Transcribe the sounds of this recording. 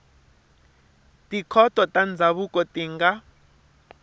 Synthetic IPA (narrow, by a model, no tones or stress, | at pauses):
tʼikʰɔtʼɔtʼand͡zʱaβukʼɔtiːŋɡa